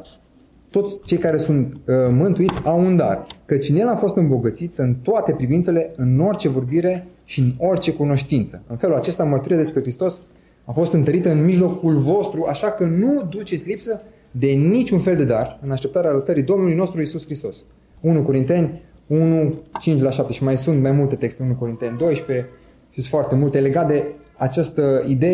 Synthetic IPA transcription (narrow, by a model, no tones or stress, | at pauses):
t̪o̞t̪sʲt͡ʃe̞jkaɾe̞sunt̪mɨnt̪uit̪sʲawund̪a̰rkət͡ʃnelafo̞st̪ɨmbo̞ɡət̪sit̪sʲɨnt̪oat̪e̞pɾivint̪se̞le̞ɨno̞rt͡ʃe̞vo̞rbiɾe̞ʃiɨno̞rt͡ʃe̞kuno̞ʃt̪int̪səɨnfe̞lulat͡ʃe̞st̪amərt̪uɾiad̪e̞spɾe̞kɾist̪o̞s | afo̞st̪ɨnt̪əɾit̪ɨnmiʒlo̞kulvo̞st̪ɾuʔaʃakənud̪ut͡ʃe̞t̪sʲlipsə | d̪e̞nit͡ʃunfeld̪e̞d̪arɨnaʃt̪e̞pt̪aɾeaɾət̪əɾid̪o̞mnulujno̞st̪ɾuisuskɾist̪o̞s | unuko̞ɾint̪e̞nʲ | unut͡ʃint͡ʃlaʃap̚t̪e̞ʃimajsunt̪majmult̪e̞t̪e̞kst̪eunuko̞ɾint̪e̞nʲd̪o̞jʃpe̞ | ʃisfoart̪e̞mult̪ele̞ɡat̪̚d̪e̞at͡ʃast̪əid̪e